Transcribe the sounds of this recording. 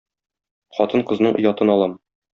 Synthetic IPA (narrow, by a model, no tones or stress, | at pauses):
χɒt̪ɤɴqɤ̆znɤɴŏ̰jɑt̪ɤnɒlˠɑm